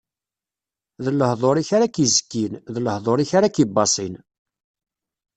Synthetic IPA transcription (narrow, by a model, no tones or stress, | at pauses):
ðlːəhðˤoɾiçaɾakizə̥kːinðləhðˤoɾiçaɾakibːɑsˤin